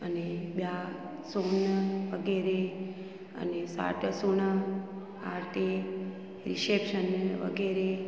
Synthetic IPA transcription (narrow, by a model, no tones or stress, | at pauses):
ənebja | sonʋəɡeɾe | ə̰nesa̰ʈsuɳə | aɾt̪ʰe | ɾisepʃənʋə̰ɡeɾe